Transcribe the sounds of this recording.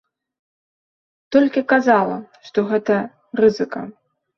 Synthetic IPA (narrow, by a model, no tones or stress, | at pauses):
t̪ɔlʲkʲikazalˠɐ̰ʂt̪ɔɣɛt̪ɐ | rɨzɨkɐ̰